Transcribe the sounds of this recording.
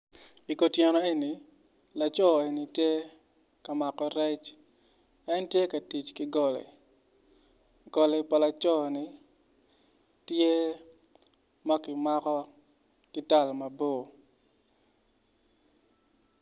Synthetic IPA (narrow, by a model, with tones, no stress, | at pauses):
i˨ko˨tjɛ˨nɔ˨˦e˦ni˨ | la˨t͡ʃɔ˦e˨ni˨tje˦ | ka˨ma˨kɔ˨ɾɛ˦t͡ʃ | ɛ˦ntje˦kɐ˨ti˨t͡ʃkɪ˦ɡɔ˨lɛ̰˨ | ɡ̥ɔ˨lɛ˨pa˨la˨t͡ʃɔ˦˨ni˨ | tje˦ | ma˦kɪ˨ma˦kɔ˦ | kɪ˦ta˨lmɐ˨bo˦˨